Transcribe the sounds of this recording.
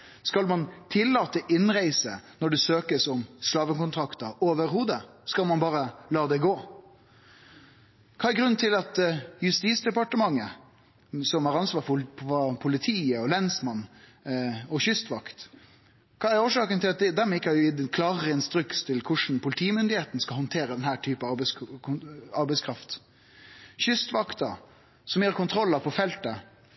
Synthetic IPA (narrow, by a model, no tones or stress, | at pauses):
skɑlmɑnt̪ʰɪlːɑːt̪əʔɪnɾæɪsənɔɖɛsøːkəsɔmslɑːʋəkʊnt̪ʰɾɑkt̪əɾoːʋəɾhuːd̪əskɑlmɑnbɑːɾəlɑːd̪ɛɡoː | kʰɑːæɾɡɾʉn̩ːt̪ʰɪlɑt̪jʉst̪iːt̪sd̪ɛpɑʈəmɑŋːə | sɔmæɾɑnsʋɑːɑpʰʊlɪt̪ʰiːəɔlɛnsmɑnː | ɔçʏst̪ʋɑkt̪ | kʰɑːæɾoːʂɑːkənt̪ʰɪlɑt̪d̪d̪ɛmːɪkːəhɑjɪd̪kʰlɑːʁəɪnst̪ɾʏkst̪ʰɪlkʰʊʂn̩pʰʊlɪt̪ʰiːmʏnd̪ɪheːt̪n̩skɑhɔnt̪ʰeːɾəd̪ɛnhæːʈʰyːpəɑb | ɑɾbɛɪskʰɾɑft̪ | ɕʏst̪ʋɑkt̪ɑ̰ | sɔmjiːɑɾkʰʊnt̪ʰɾɔlːɑpʰɔfɛlt̪ə